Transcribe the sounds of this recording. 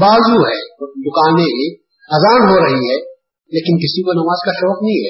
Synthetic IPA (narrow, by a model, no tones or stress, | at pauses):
baːzuɦɛːd̪ʊkaːnẽɦẽ | ɐzaːnɦoɾɐɦiɦɛː | leːkɪnkɪsikonɐmaːzkaʃɔːqnɐɦĩɦɛː